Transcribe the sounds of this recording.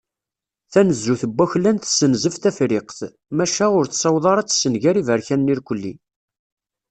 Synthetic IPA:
θænəzːuθəbːæçlænθsənzəft̪æfɾɪqθ | mæʃæʊɾθsɑwðˤɑɾˤɑt͡sːsːənʝæɾivəɾçænːiɾkʷəlːḭ

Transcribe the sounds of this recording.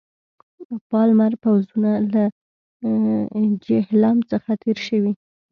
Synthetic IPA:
pɑlmaɾpawzunala | d͡ʒɪhlamt͡səxat̪ʰeɾʃəwi

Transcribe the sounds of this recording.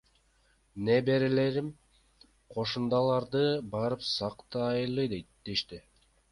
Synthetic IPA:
nebe̞ɾele̞ɾim | qʰo̞ʃund̪ɑlˠɑɾd̪ɯbɑɾɯpsɑqt̪ɑjlˠɯd̪ejt̪d̪eʃt̪i

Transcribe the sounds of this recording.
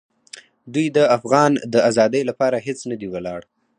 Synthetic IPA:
d̪ujd̪əafɣɑnd̪əazɑd̪əjlapɑɾaɦet͡snəd̪iwalɑɽ

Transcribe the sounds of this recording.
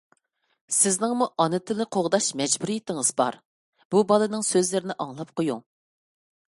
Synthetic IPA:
sɪznɪŋmuʔɑnɨt̪ʰɨlɨqʰoʁd̪ɑʃmɛd͡ʒbuɾijit̪ʰɪŋɨzbɑ̰ɾ | b̥ubɑlˠɨnɨŋsøzlɪɾɪnɪʔɑŋlˠɑp̚qʰojṵŋ

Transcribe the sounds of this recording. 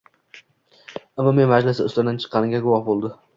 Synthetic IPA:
amːamenmad͡ʒlɪsɪʊslad̪ant͡ʃʰɨ̥qʰːɑnɪɡʲaɡʊwɒhbolˠd̪ɪ

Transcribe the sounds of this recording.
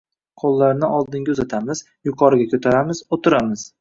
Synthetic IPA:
qʰolˠːaɾnɪʔɒlˠd̪ɪŋɡʲaɵzat̪ʰamɪz | jʊqʰɒɾɪɡʲakʰʲɵt̪ʰaɾamɪzot̪ʰɪɾamɪz̥

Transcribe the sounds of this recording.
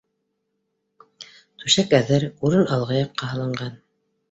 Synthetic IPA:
t̪ʉʃækæðɘɾuɾɤnɑlˠʁɑjɑqːɑɦɤ̆lˠɤ̆ɴɢɑn

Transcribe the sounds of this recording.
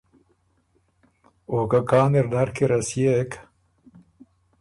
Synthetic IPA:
oːkakaːneɾd̪aɾkiɾasijek

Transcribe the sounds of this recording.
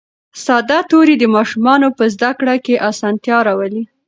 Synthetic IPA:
sɑd̪at̪oɾid̪əmɑʃumɑnopəzd̪akɽakeʔasɑnt̪jɑɾɑwəli

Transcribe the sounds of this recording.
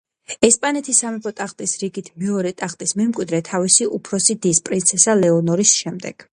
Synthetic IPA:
ɛspʼanɛt̪ʰisamɛpʰɔt̪ʼaχt̪ʼisɾiɡit̪ʰmɛɔɾɛt̪ʼaχt̪ʼismɛmkʼwid̪ɾɛt̪ʰavisiʔupʰɾɔsid̪ispʼɾint̪sʰɛsalɛɔnɔɾisʃɛmd̪ɛɡ̥

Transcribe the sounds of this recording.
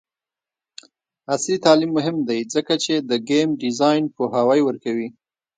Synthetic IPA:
aslit̪ɑlimːʊɦɪmd̪ajd͡zəkat͡ʃed̪əɡemɖɪzɑjnpoɦawajwəɾkawi

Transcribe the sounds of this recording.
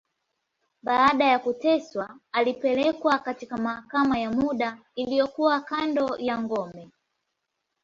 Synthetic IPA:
ɓaːɗajakutɛswaːlipɛlɛkwakatikamahakamajamuɗa | ilijɔkuwakandɔjaŋɡɔmɛ

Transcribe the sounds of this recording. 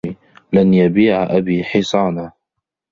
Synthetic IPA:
i | lanjabiːʕaʔabiːħɪsˤɑːna

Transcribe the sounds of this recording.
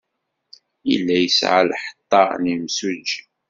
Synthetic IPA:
ḭlːæjəsʕa̰lħə̥t̪ˤːɑnimsud͡ʒ

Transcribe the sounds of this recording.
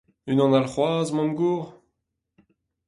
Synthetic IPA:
ynɑ̃nalχwaːzmɔ̃mɡuːʁ

